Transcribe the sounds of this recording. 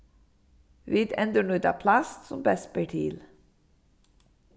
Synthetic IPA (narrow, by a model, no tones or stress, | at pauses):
ʋid̪ɛnd̪əɳʉd̪ɑ̰pʰlɑst̪sɔmbɛsbɛʈʰiːl